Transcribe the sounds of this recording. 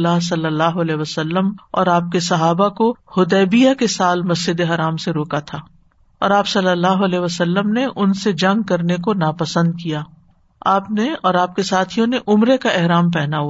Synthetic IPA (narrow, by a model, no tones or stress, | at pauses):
lːaɦsɐlːəlːaːɦoɐlɛːɦʋəsəlːəmɔ̰ːɾaːp̚kesɐɦaːbakohʊd̪ɛːbijakesaːlmɐsd͡ʒɪd̪eɦɐɾaːmseɾoːkat̪ʰaː | ɔ̰ːɾaːpsɐlːəlːaːɦoɐlɛːɦʋəsəlːəmneʔʊnsed͡ʒɐ̃ŋɡ̚kɐɾnekonaːpɐsə̃nd̪̚kijaː | aːpneɔːɾaːp̚kesaːt̪ʰijõneʔʊmɾekaʔɛɦɾaːmpɛːnaɦu